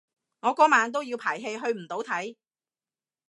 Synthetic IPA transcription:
ŋɔː˨˧kɔː˨˥maː˨˧nt̪̬o˥wjiː˧wpʰaː˨˩jɦe˧jɦɵ˧ɥm̩˨˩t̪o˨˥wt̪ʰɐ˨˥j

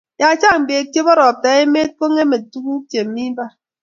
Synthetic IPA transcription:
ja˨t͡ʃa˦m̩˨be˨kje˦bɔ˦ɾɔ˨pɛː˨˦e˦me˦ko˦ŋe˦me˨t̚tu˦ku˦pje˨m̩˨mi˦ba˦

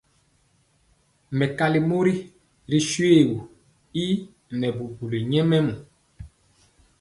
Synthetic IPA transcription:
mɛ˨ka˨li˨mo˦ɾi˦ | ɾi˦ʃwe˦˨wu˨ | i˦ | nɛ˨bu˨bu˨li˨ɲɛ˦mɛ˦mu˨

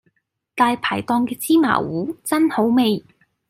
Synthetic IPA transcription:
t̪aː˨jpʰaː˨˩jt̪ɔː˧ŋkɛː˧t͡siː˥ma̰ː˨˩wuː˨˥t͡sɐ˥nho˨˥wme˨˧j

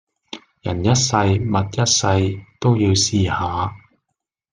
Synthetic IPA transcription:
jɐ˨˩njɐ˥t̚sɐ˧jmɐ˨t̚jɐ˥t̚sɐ˧jt̪o˥wjiː˧wsiː˧haː˨˦

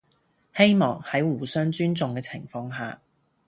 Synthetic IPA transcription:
he˥jmɔː˨˩ŋhɐ˨˥jwuː˨˩sœː˥ŋt͡ʃyː˥nt͡sʊ˨ŋkɛː˧t͡sʰɪ˨˩ŋfɔː˧ŋɦaː˨

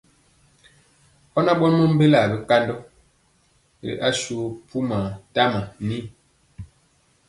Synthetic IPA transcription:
ɔ˦na˦ɓɔ˦nmɔ˦m̩˦be˦la˨bɛ˦ka˦ndɔ˦˨ | ɾḭ˨ʔa˦ʃu˦pu˦ma˨ta˦ma˨ni˦

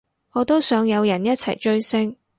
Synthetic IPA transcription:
ŋɔː˨˧t̪o˥wsœː˨˧ŋjɐ˨˧wjɐ˨˩njɐ˥t̚t͡sʰɐ˨˩jt͡ʃɵ˥ɥsɪ˥ŋ

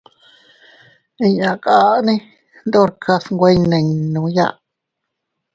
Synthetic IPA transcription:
i˧ɲã˨kʼa˦ʔnĩ˦ | nd̪o˦ɾkʰa˧sŋɡʷe˦nẽ˧ɲnũ˧˦ja̰˦˧ʔ

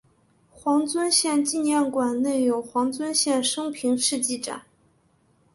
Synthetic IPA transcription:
xwɑ˧˥ŋt͡swə˥nɕjɛ˥˧nt͡ɕi˥˧njɛ˥˩nkwa˨˩nne˥˩ɪjo˨˩ʊxwɑ˧˥ŋt͡swə˥nɕjɛ˥˩nʂɤ˥ŋpʰi˧˥ŋʂɻ̩˥˧t͡ɕi˥˩ʈ͡ʂa̰˨˩˦n

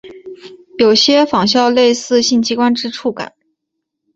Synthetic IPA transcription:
jo˨˩ʊɕjɛ˥fɑ˨˩ŋɕjɑ˥˧ʊle˥˧ɪsɹ̩˥˧ɕi˥˩nt͡ɕʰi˧˥kwa˥nʈ͡ʂɻ̩˥ʈ͡ʂʰu˥˩ka̰˨˩˦n

